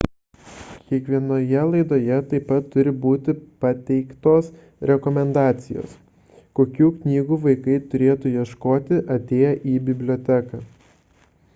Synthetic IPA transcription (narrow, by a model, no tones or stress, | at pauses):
kʲiɛkʋʲiɛnoːjɛlˠɐɪd̪oːjɛt̪ɐɪpːɐt̪ːʊɾʲɪbuːt̪ʲɪpɐt̪ʲɛɪkt̪oːs | ɾʲɛkɔmʲɛnd̪ɑːt̪sʲɪjo̰ːs | koːkʲuːknʲiːɡuːʋɐɪkɐɪt̪ʊɾʲeːt̪ujiɛʃkoːt̪ʲɪʔɐt̪ʲeːjɛʔiːbʲɪbʲlʲoːt̪ʲækɑː